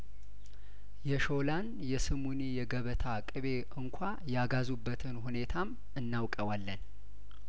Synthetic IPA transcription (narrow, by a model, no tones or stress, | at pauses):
jɛʃo̞lan | jɛsɨmunijɛɡəβət̪ʰakʼɨβe̞ʔɨŋkʷʰa | jaɡazubːət̪ʰɨnhune̞t̪ʰam | ɨnːawkʼəwalːən